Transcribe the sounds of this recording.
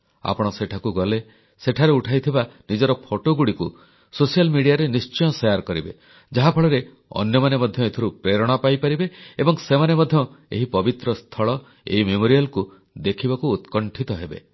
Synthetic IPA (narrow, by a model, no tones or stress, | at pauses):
a̰pɔɽ̃ɔseʈʰakuɡɔle | seʈʰaɾeuʈʰajt̪ʰibanid͡ʒɔɾɔpʰoʈoɡuɽiku | sosijalmiɽijaɾenist͡ʃɔjɔsejaɾkɔɾibe | d͡ʒaɦapʰɔɭɔɾe | ɔ̰njɔmanemɔd̪ʱjɔet̪ʰiɾupɾeɾɔɽ̃apajpaɾibeebɔŋsemanemɔd̪ʱjɔḛɦipɔbit̪ɾɔst̪ʰɔɭɔ | ḛɦimemoɾijalku | d̪ekʰibakuːt̪kɔɳʈʰit̪ɔɦebḛ